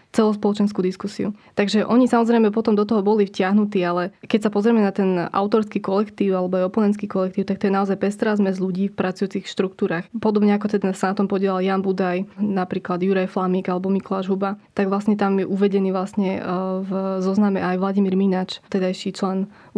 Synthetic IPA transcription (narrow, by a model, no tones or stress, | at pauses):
t͡sɛlɔspɔlɔt͡ʃɛnskud̪iskusiut̪aɡʒɛʔɔɲisamɔzɾɛɪmɛpɔt̪ɔmd̪ɔt̪ɔɦɔbɔlifcɪaɦnut̪iːalɛkɛcsapɔzɾɛmɛnat̪ɛnʔa̰ʊt̪ɔɾskiːkɔlɛkt̪iːʊalɛbɔajɔpɔnɛnt̪kiːkɔlɛk̚t̪iːʊt̪ak̚t̪ɔjɛnaɔzajpɛst̪ɾazmɛzluɟiːfpɾat͡sujuːt͡sixʃt̪ɾuk̚t̪uːɾaːxpɔd̪ɔbɲɛakɔt̪ɛd̪asanat̪ɔmpɔɟɪɛlaljanbud̪ajnapɾiːklad̪juɾajflamiːɡalɛbɔmikɔlaʒɦubat̪aɡʋlasɲɛt̪amjɛʔuʋɛɟɛniːʋlasɲɛvzɔznamɛʔajʋlaɟimiːɾminat͡ʃt̪ɛd̪ajʃit͡ʃlɛn